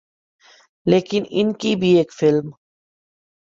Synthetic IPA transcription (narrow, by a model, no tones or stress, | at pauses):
leːkɪnɪ̰nkibʱieːkfɪlm